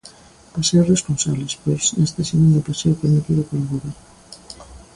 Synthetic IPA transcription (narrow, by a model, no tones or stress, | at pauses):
paseɾresponsaβlespojsnest̪esemẽnd̪ʊplaseɾwpeɾmit̪iðʊpaɾaɣoβeɾ